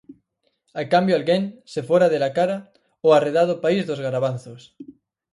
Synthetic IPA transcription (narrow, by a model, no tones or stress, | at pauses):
akambjoalɣeŋsefoɾaðelakaɾa | oareðaðopaizðozɣaɾaβ̞anθos